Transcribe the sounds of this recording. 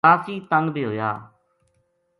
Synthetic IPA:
aːsiːt̪ə̃ŋɡb̪eːɦoːja̰ː

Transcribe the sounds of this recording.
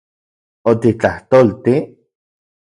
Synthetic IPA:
ot̪it͡ɬaht̪oːlt̪i

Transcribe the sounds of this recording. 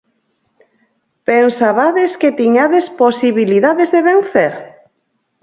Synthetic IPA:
pensaβaðesket̪iɲaðesposiβiliðaðezðeβenθeɾ

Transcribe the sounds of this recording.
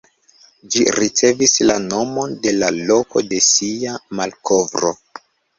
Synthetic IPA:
d͡ʒiɾit͡se̞vislano̞mo̞nde̞lalo̞ko̞de̞siamalko̞vɾo̞̰

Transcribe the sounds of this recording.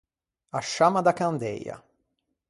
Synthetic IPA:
aʃːamad̪akand̪ɛ̰ja̰

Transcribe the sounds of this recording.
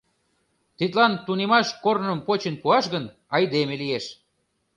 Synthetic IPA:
t̪it̪lɑnt̪unemɑʃkornəmpot͡ɕenpuɑʃɣən | ɑjd̪emelijeʃ

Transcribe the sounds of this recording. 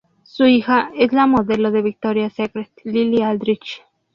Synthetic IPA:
suixaeslamoðeloðeβik̚t̪oɾjasekɾet̪liliald̪ɾit͡ʃ

